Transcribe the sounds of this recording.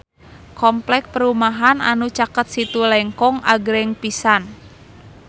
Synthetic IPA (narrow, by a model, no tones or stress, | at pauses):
kɔmplɛk̚pəɾumaɦana̰nut͡ʃakət̪̚sit̪ulɛŋkɔŋʔa̰ɡɾɛŋpisan